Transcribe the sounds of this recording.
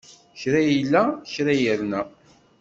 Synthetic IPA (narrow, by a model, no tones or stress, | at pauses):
çɾæjəlːæçɾæjəɾnæ